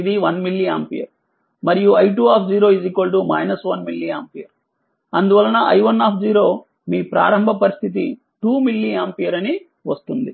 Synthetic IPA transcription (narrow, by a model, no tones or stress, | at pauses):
id̪iʋɐnmilːia̰ːmpijɐ̰ɾ | mɐɾijuɐjʈuːaːpʰd͡ʒiːɾo̞ːizikɐlʈ̬umɐ̰jnɐsʋɐnmilːiaːmpijɐɾ | ɐnd̪uʋɐlːɐnɐʔɐjʋɐnːaːpʰd͡ʒiːɾo̞ː | miːpɾa̰ːɾɐmbʱɐpɐɾist̪ʰit̪i | ʈuːmilːiaːmpijɐɾɐni | ʋɐst̪und̪i